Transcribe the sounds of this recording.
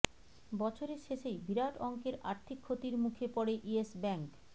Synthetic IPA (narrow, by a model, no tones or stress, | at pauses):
bɔt͡ɕʰoɾeɾʃeʃejbiɾaʈɔŋkeɾa̰ɾt̪ʰikʰːot̪iɾmukʰepɔɽeʔiesbɛŋk